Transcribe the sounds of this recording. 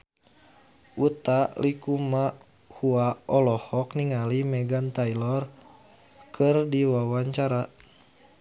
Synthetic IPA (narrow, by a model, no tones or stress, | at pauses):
ʔut̪aʔlikuma | huaɔlɔhɔkniŋalimɛɡant̪ailɔr | kʰɨrdiwawaɲt͡ʃaɾa